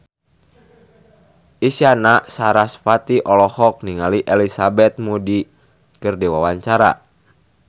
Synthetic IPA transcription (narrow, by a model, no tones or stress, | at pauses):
ʔisanasaɾasfat̪iʔɔlɔhɔk̚niŋaliʔɛlisabɛt̪̚mudi | kɨrdiwawaɲt͡ʃaɾa̰